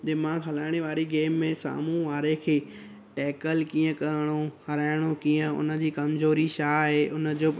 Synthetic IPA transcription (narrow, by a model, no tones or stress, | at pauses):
d̪ɪmãːɡɦɐlaːɪɽ̃iʋaːɾiɡeːmːẽsa̰ːmũʋaːɾekʰeː | ʈɛːkəlkĩːə̃kɐɾəɽ̃ohɐɾaːɪɽ̃okiːə̃ʊ̰nə̆d͡ʑiːkɐmzoːɾiʃaːɦeːʔʊnə̆d͡ʑoː